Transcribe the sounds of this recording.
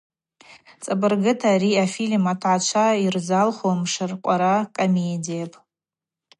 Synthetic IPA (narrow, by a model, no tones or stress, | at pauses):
t͡sʼabɨrɡɨtʰaːɾiafilmatʰʕat͡ʃʷʰaird͡zalχomʂɨrqʷʼaɾakʼomedijapʼ